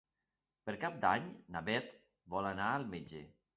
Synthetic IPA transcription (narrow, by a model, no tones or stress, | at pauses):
pəɾkap̚d̪aɲnaβɛt̪ | βɔlanaəlˠmed͡ʒḛ